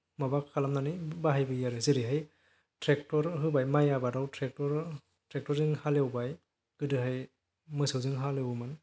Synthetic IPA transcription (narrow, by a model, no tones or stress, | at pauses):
mabakʰːalamnanɯbaɦajbɯjaɾɯziɾiɦaj | tɾek̚tɔɾɦɯbajmajabadawtʰɾek̚tɔɾ | tɾek̚tɔɾzɯŋhalewbaj | ɡ̥ɯdɯɦaj | mɯsɯwzɯŋɦalewman